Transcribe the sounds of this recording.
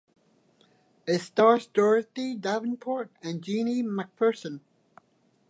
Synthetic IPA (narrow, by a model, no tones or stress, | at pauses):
ɪtstɑɹzdɔɹθidavɪ̃npʰɔɹtə̃nd͡ʒinimak̚pʰɜ˞sə̃n